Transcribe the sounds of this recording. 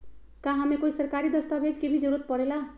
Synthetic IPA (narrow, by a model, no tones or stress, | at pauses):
kãɦamekoisʌrkaɾid̪ʌst̪abʱed͡zkebʱid͡zʌɾuɾʌt̪̚pʌɽela